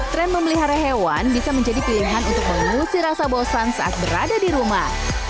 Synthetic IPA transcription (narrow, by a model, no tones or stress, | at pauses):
t̪ɾɛnməmiliɦaɾaɦewanbisaməɲd͡ʒadipiliɦanunt̪ʊk̚məŋusiɾasabosansaʔat̪̚bəɾa̰dadiɾumah